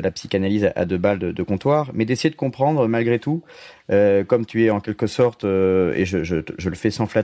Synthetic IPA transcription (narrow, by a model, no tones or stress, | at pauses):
əlapsi̥kanalizaʔa̰d̪øbald̪əd̪əkɔ̃t̪waːʁmɛd̪esejed̪əkɔ̃pχɑ̃d̪ʁmalɡʁet̪uøkɔmt̪yɛɑ̃kʲɛlkəsɔʁt̪øḛʒəʒəʒələfɛsɑ̃fla